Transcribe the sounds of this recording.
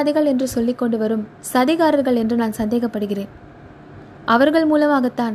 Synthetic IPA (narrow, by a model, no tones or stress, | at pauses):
ðɐɣɐɭɛndrɯsɔlːɪkːɔɳɖɯʋɐɾɯm | sɐðɪɣaːɾɐɾɣɐɭɛndrɯnaːnsɐnd̪eːɣɐpːɐɽɯɣɪreːn | ʔɐʋɐɾɣɐɭmuːlɐmaːɣɐt̪ːaːn